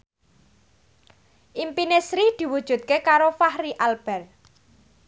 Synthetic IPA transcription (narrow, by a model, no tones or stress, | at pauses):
ʔimpinesɾid̪̥i̤wud̥ʒ̥ṳt̪̚kekaɾofahɾiʔalb̥ɛ̤r